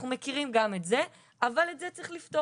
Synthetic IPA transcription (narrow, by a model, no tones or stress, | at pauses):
χnumekiʁimɡametze | avaletzet͡sʁiχlifto